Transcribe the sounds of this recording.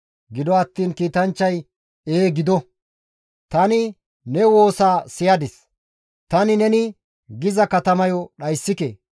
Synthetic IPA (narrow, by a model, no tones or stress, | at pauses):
ɡɪd̪ɔɐt̪ːiːnkiːt̪ɐnt͡ʃːɐj | eːɡɪd̪ɔ | t̪ɐnɪ | nɛwo̞ːsaːsɪjɐd̪ɪs | t̪ɐnɪnɛnɪ | ɡɪzɐkɐt̪ɐmɐjɔɗɐjsːɪkḛː